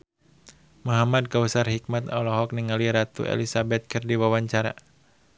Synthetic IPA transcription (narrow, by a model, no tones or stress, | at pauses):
mɔɦamad̚kausarhik̚mat̪ɔ̰lɔɦɔk̚niŋaliɾat̪ṵḛlisabɛt̪̚kɨrdiwawaɲt͡ʃaɾa̰